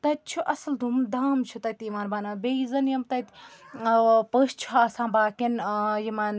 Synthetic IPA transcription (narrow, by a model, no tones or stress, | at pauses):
t̪ɐt̪̚t͡ʃʰuʔɐsɐld̪ʱumd̪aːmt͡ʃʰut̪ɐt̪iːmaːnbaːnaːbezɐnjɐmt̪ɐt̪ʲ | pəːʃt͡ʃʰuɦaːsãːbaːkinjimaːn